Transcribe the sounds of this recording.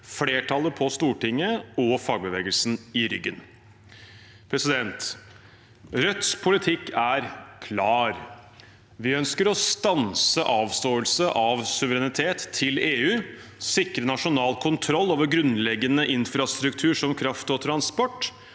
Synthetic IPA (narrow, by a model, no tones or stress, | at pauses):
fleːʈʰɑləpʰɔst̪uːʈɪŋːəɔfɑːɡ̚bəʋeːɡəlsn̩ɪɾʏɡːən | pʰɾɛsɪd̪ɛnt̪ | ɾœt̪spʰʊlɪt̪ʰɪkːæɾkʰlɑːɾ | ʋɪœnskəɾɔst̪ɑnsəʔɑːʋst̪oːəlsəʔɑʋsʉʋəɾɛnɪt̪ʰeːt̪ʰːɪleːʉːsɪkɾənɑʂʊnɑːlkʰʊnt̪ʰɾɔlːoːʋəɾɡɾʉnlɛɡːənəʔɪnfɾɑst̪ɾʉkt̪ʰʉːʂɔmkʰɾɑft̪ɔt̪ʰɾɑnspɔʈː